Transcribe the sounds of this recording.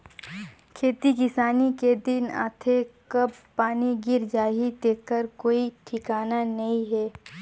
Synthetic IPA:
kʰeːt̪ikɪsaːniked̪ɪna̰ːt̪ʰekɐbpaːniɡɪɾd͡ʒaːɦid̪eːkːəɾkoːiʈʰɪkaːnanɐɦĩɦɛː

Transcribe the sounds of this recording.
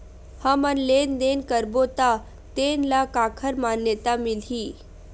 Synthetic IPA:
hamənlend̪enkəɾbot̪a | t̪enlakakʰəɾmanjət̪amilɦiː

